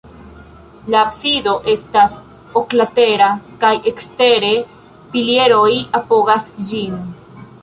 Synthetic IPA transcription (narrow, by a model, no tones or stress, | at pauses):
laːpsido̞ʔe̞stas | oklate̞ɾakajekste̞ɾe̞ | pilie̞ɾo̞japo̞ɡasd͡ʒin